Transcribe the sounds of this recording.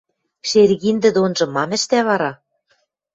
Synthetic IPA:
ʃerɣind̪ɘ̆d̪onʒɤ̆mɑmɘ̆ʃt̪æβɑɾɑ

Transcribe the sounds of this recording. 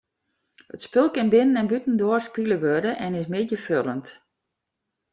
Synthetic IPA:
hətspɪlˠkɪnbɪnənɛnbytn̩doərspiləʋødəʔɛnɪsmɪdjəfølˠənt

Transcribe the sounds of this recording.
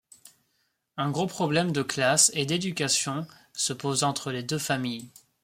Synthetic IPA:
ɛ̃ɡʁopχɔblɛmd̪əklased̪ed̪ykʲasjɔ̃ | səpozɑ̃t̪χəled̪øfamij

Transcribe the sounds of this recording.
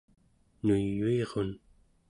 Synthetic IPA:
nujːueʁon

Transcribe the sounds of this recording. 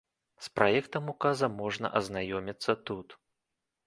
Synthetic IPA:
spɾʔajɛkt̪ɐmukazɐmɔʐnɐ̰ʔɐznajɔmʲit̪sːɐt̪ut̪

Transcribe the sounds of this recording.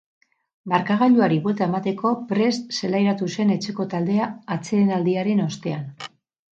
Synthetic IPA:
baɾkaɣ̞aʎuaɾiβwe̞lt̪ae̞mat̪e̞ko̞pɾe̞st̪se̞lajɾat̪use̞ne̞t͡ʃe̞ko̞t̪ald̪e̞aːt͡seenald̪iaɾe̞no̞st̪e̞an

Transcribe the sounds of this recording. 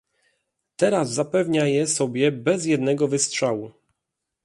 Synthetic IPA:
t̪ɛɾazːapɛvɲajɛsɔbʲjɛbɛz̬jɛd̪nɛɡɔvɘstʂawu

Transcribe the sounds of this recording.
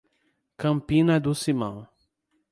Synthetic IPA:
kɐ̃mpĩnɐd̪ʊsimɐ̰̃w̃

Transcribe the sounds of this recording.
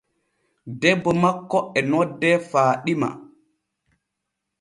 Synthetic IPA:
dɛbːɔmakːɔɛnɔdːɛfaːɗima̰

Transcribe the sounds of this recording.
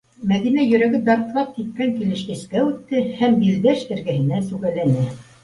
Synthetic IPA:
mæðinæjɵ̆ɾæɡɘd̪ɑɾt̪lɑp̚k̪it̪̚kæŋkilɘ̆ʃkɘ̆skæʉt̪ːɘhæmbild̪æʃt̪ɘ̆ɾɡɘ̆hɘ̆næsʉɣælænɘ

